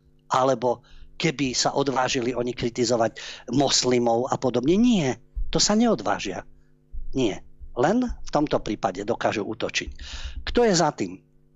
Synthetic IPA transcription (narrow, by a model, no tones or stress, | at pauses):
ʔalɛbɔkɛbisaʔɔd̪ʋaːʒiliɔɲikɾit̪izɔʋaɟmɔslimɔʊapɔd̪ɔbɲɛɲɪɛt̪ɔsaɲɛɔd̪ʋa̰ːʒɪa̰ | ɲɪɛlɛnft̪ɔmt̪ɔpɾiːpaɟɛd̪ɔkaːʒuʔut̪ɔt͡ʃickt̪ɔjɛzat̪iːm